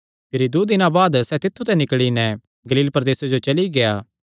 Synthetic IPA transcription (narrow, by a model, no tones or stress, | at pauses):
pʰɪɾid̪oːd̪ɪnãbaːd̪sɛt̪ɪt̪ʰːut̪ɛ̃nɪkɭinɛ̃ | ɡɐliːlpɐɾɐd̪eːsed͡ʒot͡ʃɐliɡejaː